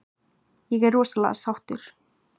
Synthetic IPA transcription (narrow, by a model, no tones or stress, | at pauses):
jɛɣɛrɔːsalɛ̰ɣa̰sawht̪ʏɾ̥